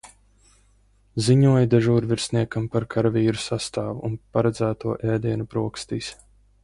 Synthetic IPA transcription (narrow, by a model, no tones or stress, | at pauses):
ziɲuɔjud̪aʒuːɾviɾsniɛkampaɾkʰaɾaviːɾusast̪aːvuunpaɾɛd̪zæːt̪uɔʔɛːd̪iɛnupɾuɔkst̪iːs